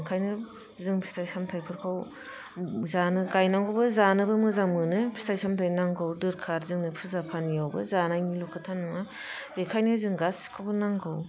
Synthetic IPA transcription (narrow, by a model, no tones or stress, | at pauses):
kʰajnɯ | zɯŋbʰi̥stʰajsamtʰajpʰɯɾkʰaw | zanɯɡajnaŋɡɯbɯzanɯbɯmɯzaŋmɯnɯbʰi̥stʰajsʰamtʰajnaŋɡɯwdɯɾkʰaɾzɯŋnɯpʰɯzapʰanijawbɯ̰zanajŋilɔkʰɯtʰanɯŋa | bekʰajnɯzɯŋɡaskʰawbɯnaŋɡɯw